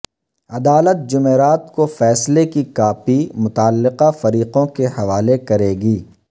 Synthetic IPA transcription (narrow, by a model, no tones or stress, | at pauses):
ɐd̪aːlət̪̚d͡ʒʊmeːɾaːt̪kofɛːslekikaːfimʊt̪aːlːɪqafɐɾiːqõkehɐʋaːlekɐɾeːɡiː